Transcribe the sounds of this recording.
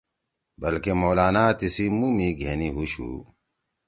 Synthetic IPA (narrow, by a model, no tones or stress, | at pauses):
bɐlkemoːlaːnaːt̪isimumiɡʱeːniɦuɕṵː